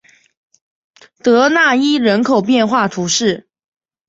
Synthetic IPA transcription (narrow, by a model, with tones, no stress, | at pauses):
t̪ɤ˧˥na˥˩i˥ɻə˧˥nkʰo˨˩ʊpjɛ˥˧nxwa˥˩t̪ʰu˧˥ʂɻ̩˥˩